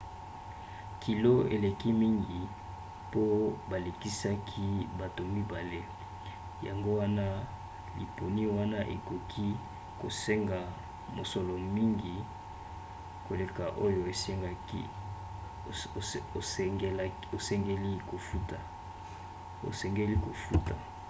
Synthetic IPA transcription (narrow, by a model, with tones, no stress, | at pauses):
kʰi˨lo˦ḛ˨le˨ki˦mi˦ŋɡi˨ | po˦ba˨le˨ki˦sa˦kʰi˦ba˨to˨mi˦ba˨le˦ | ja̰˨ŋɡo˦wa˦na˦ | lḭ˨po˨ni˦wa˦na˦ʔḛ˨ko˨kʰi˦ | ko˨se˦ŋɡa˨ | mo˨sɔ˨lɔ˨mi˦ŋɡi˨ | ko˨le˨ka˨ʔo˦jo˨e˨se˦ŋɡa˦kḭ˦˨ | ŋ˦ | o˨sɛ˦ŋɡe˦li˦ko˨fu˦ta˨ | o̰˨sɛ˨ŋɡe˦li˦ko˨fu˦ta̰˨